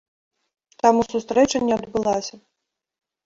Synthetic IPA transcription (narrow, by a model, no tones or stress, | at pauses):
t̪amusust̪ɾɛt͡ʂɐnʲːɛɐd̪bɨlˠasʲɐ